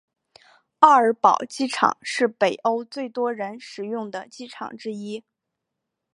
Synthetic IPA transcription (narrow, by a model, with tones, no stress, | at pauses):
ɑ˥˩ə˞˧˥pɑ˨˩ʊt͡ɕi˥ʈ͡ʂʰɑ̰˨˩˦ŋʂɻ̩˥˩pe˨˩ɪʔo˥ʊt͡swe˥˩ɪt̪wɔ˥ɻə˧˥nʂɻ̩˨˩jʊ˥˩ŋd̪ə˩t͡ɕi˥ʈ͡ʂʰɑ̰˨˩ŋʈ͡ʂɻ̩˥i˥